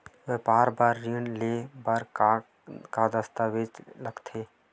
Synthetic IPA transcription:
ʋepaːɾbaɾːinlebaɾ | kad̪əst̪aʋed͡ʒləɡt̪ʰe

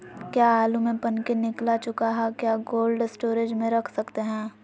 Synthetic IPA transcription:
kjaːaːlumẽpɐnkenɪklat͡ʃʊkaɦɛkjaːɡoːlɖsʈoːɾed͡ʒmẽɾɐkʰsɐkt̪eɦɛ̃ː

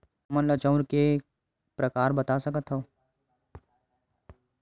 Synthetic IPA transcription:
mənlət͡ʃəʊɾke | pɾɐkaːɾbɐt̪asɐkət̪ɦoː

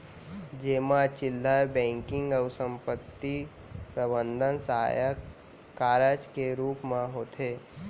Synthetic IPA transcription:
d͡ʒeːmãt͡ʃɪlːəɾbɛ̃ːŋkɪ̃ŋɡəwsə̃mpət̪ːi | pɾəbənd̪ʱənsəɦa̰jək | kːaːɾəd͡ʒkeɾuːpmãɦoːt̪ʰe

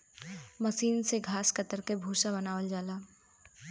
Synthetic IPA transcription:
məʃiːnseɡʱaːskət̪əɾkebʱuːʃabɐnaːʋəld͡ʒaːlaː

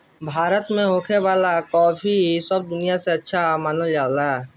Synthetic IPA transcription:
bʱaːɾət̪mẽɦoːkʰeʋaːlakɔːfisəb̚d̪ʊnijaseɐtːʃʰamaːnod͡ʒaːla

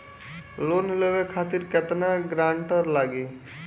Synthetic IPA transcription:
lonileʋekʰat̪iɾkɛt̪naɡɾaɳʈəɾlaɡe

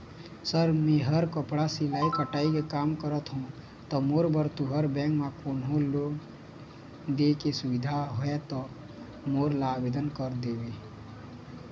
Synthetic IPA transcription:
səɾmẽɦəɾkəpɽasilaːikəʈaːikekaːmkəɾət̪ɦũ | t̪ɔmoːɾbəɾt̪uɦəɾbɛ̃ːkmãkoːnoloːɡ | d̪ekesʊʋid̪ʱaɦoet̪ɔ | moːɾlaːbed̪ənkəɾd̪eːbe

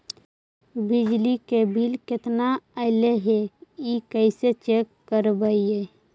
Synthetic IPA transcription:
bɪd͡ʒlikebʱilkɪt̪naəɪleɦeikəɪset͡ʃekːəɾbaie

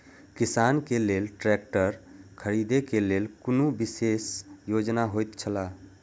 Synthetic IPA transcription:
kɪsaːnkeleːlʈɾɛːk̚ʈəɾkʰəɾiːd̪ekeleːlkʊnubɪseːsjoːd͡ʒnaɦoːjt̪t͡ʃʰəlaː

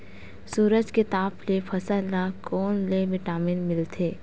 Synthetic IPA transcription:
suːɾəd͡ʒket̪aːplepʰɐsəlakɔːnlemɪʈaːmɪnmɪlt̪ʰeː

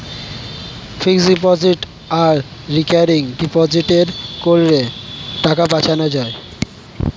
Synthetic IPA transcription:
fiksɖipɔd͡ʑiʈ | aɾ | ɾikaɾiŋɖipɔd͡ʑiʈeɾkoɾɾeʈakapat͡ɕʰanod͡ʑae

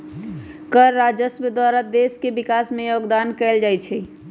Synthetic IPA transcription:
kəɾːad͡ʒəsbəd̪waɾəd̪eskebikasmẽjoɡd̪ankɛld͡ʒajt͡ʃʰɛ

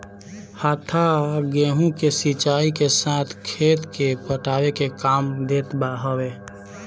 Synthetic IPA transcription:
haːt̪ʰaɡeːɦũkesit͡ʃaːikesaːt̪ʰkʰeːt̪kepəʈaːwekekaːmd̪eːt̪baɦəweː

